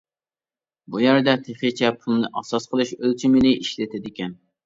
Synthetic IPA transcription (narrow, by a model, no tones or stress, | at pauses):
bujɛɾd̪ɛt̪ʰeχit͡ʃʰɛpʰulˠnɨʔɑsɑsqʰəlˠɨʃølt͡ʃʰimɪnɪʔiʃlɪt̪ʰɪd̪ɪkʲɛn